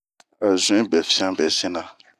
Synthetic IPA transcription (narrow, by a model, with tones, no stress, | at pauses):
a˨zũ˦ɛ̃˦bɛ˨fĩ˦ã˦bɛ˨sĩ˦nã˨